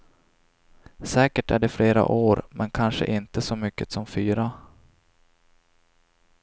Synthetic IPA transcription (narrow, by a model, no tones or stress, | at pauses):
sɛːkəʈæɖɛfleːɾa̰ʔoːɾmʔɛnkʰanʂə̰ʔɪnt̪əsɔmʏkːət̪sɔmfyːɾa